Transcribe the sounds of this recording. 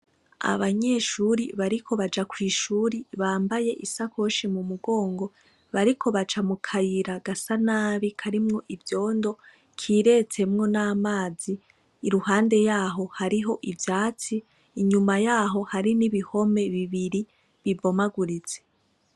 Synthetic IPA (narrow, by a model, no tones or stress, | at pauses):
a̰βaɲe̞ːʃuɾiβaɾikʰo̞βad͡ʒakwiːʃuːɾiβaːmbaje̞ʔisakʰo̞ʃimumuɡo̞ːŋɡo̞ | βaɾikʰo̞βat͡ʃamukʰajiɾaɡasanaːβikʰaɾimŋo̞ʔivjo̞ːndo̞ | kʰiːɾe̞t͡se̞mŋo̞naːmaːziː | ɾuhaːnde̞jaːɦo̞haɾiɦo̞ʔivjaːt͡siː | ɲumajaːɦo̞haɾiniβiho̞me̞βiβiɾi | βibo̞maɡuɾit͡se̞̥